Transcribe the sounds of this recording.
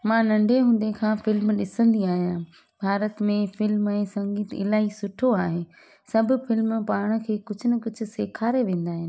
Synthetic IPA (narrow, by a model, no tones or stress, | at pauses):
mãːnɐ̃ɳɖʱeɦũːnd̪ekʰãːfɪlmɗɪsə̃nd̪iaːɦijã | bʱaːɾət̪mẽfɪlmɛ̃ːsɐ̃ŋɡiːt̪ɪ̰laːisʊʈʰoaːɦe | sɐbʱʊ̆fɪlmpaːɽ̃ə̆kʰeːkʊd͡ʑʱʊnɐkʊd͡ʑʱʊ̆seːkʰaːɾeʋẽːn̆d̪aːɦɪnɪ